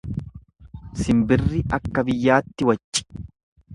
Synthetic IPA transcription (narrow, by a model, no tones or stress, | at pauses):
sɪmbɪrːɪɐkːɐbɪjːaːt̪ːɪwɐt͡ʃʼːɪ̥